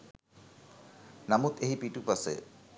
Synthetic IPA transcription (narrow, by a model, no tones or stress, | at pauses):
namut̪ʰeɦipiʈupasḛ